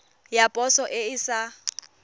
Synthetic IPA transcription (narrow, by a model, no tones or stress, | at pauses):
japʼɔsɔʔɪɪsa